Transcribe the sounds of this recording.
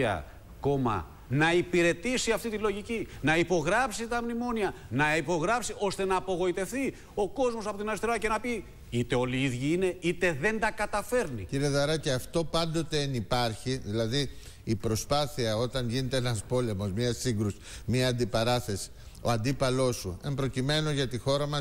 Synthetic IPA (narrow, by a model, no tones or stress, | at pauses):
ɐ̰ | ko̞mɐ̰ | nɐipiɾe̞t̪isiɐft̪it̪ilo̞ʝicinɐipo̞ɣɾɐpsit̪ɐmnimo̞niɐnɐipo̞ɣɾɐpsiʔo̞st̪e̞nɐːpo̞ɣo̞it̪e̞fθi | o̞ko̞zmo̞s̬ɐpo̞t̪inɐɾist̪eɾɐce̞nɐpi | it̪e̞o̞liiðʝiine̞it̪e̞ðe̞nd̪ɐkɐt̪ɐfe̞ɾniciɾie̞ðɐɾɐceɐft̪o̞pɐnd̪ot̪e̞ːnipɐɾçiðilɐðiː | pɾo̞spɐθiɐo̞t̪ɐɲʝine̞t̪eenɐspo̞le̞mo̞zmɲɐsiŋɡɾusi̥miɐːnd̪ipɐɾɐθe̞si̥ | oɐnd̪ipɐlo̞sue̞mpɾo̞cime̞no̞ʝɐt̪ixo̞ɾɐmɐs